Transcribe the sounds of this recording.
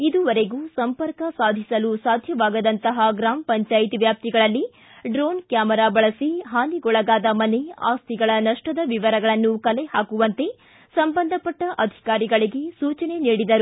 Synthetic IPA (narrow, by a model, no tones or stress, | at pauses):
id̪uʋɐɾe̞ɡuːsɐmpɐɾkɐsaːd̪ʱisɐlusaːd̪ʱjɐʋaːɡɐd̪ɐnt̪ɐɦɐɡɾaːmpɐɲt͡ʃaːjt̪iʋjaːp̚t̪iɡɐɭɐlːi | ɖɾoːnkjaːmɐɾaːbɐɭɐsiɦaːniɡɔɭɐɡaːd̪ɐmɐne̞a̰ːst̪ʰiɡɐɭɐnɐʂʈɐd̪ɐʋiʋɐɾɐɡɐɭɐnːukɐlehaːkuʋɐnt̪e̞ | sɐmbɐnd̪ʱɐpɐʈːɐʔɐd̪ʱi̥kaːɾiɡɐɭiɡe̞suːt͡ʃɐne̞niːɽid̪ɐɾu